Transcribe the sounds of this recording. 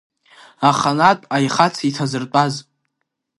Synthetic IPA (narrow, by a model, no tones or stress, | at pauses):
aχanatʼajχat͡sʰitʰazɨrt͡pʷʼaz